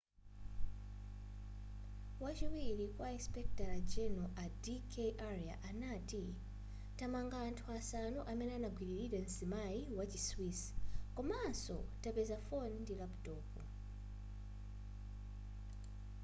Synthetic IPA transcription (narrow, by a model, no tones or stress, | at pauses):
wat͡ʃiwiɾikwaispek̚talad͡ʒenoʔadikʰeʔaɾia̰ʔanati | tamaŋɡaːntʰuasanoʔamenanaɡwiliɾiden̩simajiwat͡ʃiswiskumaso̰tapezafondilaptoːpu